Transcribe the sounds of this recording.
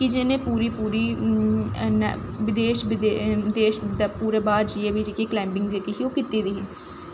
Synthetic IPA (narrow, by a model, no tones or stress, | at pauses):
kɪd͡ʒɪnẽːpuːɾiːpuːɾiː | n̰ʋɪd̪eːʃʋɪd̪d̪eːʃd̪apuːɾeːbaːɾd͡ʒieːʋiːd͡ʒeːkeːklɛːmbɪŋɡd͡ʒeːkiːɦioːkit̪iːd̪iːɦː